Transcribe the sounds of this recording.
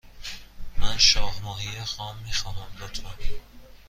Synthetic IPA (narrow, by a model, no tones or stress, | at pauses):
mænʃɒːhmɒːhiexɒːmːiːxɒːnæmd̪ot̪ʰa